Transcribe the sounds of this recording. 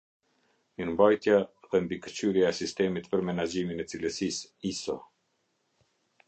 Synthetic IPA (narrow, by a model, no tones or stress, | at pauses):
ɲəmbajt̪jaðɛmbikət͡ɕyɾjaɛsist̪ɛmit̪pəɾmɛnad͡ʑiminɛt͡siləsisisɔ